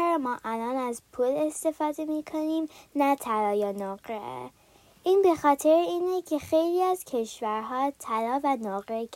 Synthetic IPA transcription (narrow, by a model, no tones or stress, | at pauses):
ɾmɒːʔælɒːnæzpʰuːle̞st̪e̞fɒːd̪e̞miːkʰo̞niːmnæt̪ʰælɒːjenɒɡɾḛ | ʔiːnbe̞xɒːt̪ʰe̞ɾeiːnecʰe̞xejliːæz̥cʰe̞ʃvæɾɦɒːt̪ʰælɒːvænɒːɣɾek